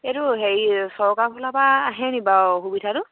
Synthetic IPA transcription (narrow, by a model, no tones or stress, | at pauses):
eɾʊɦesɔɹkakʰulapaːɦɛnibaɦubitʰaɾʊ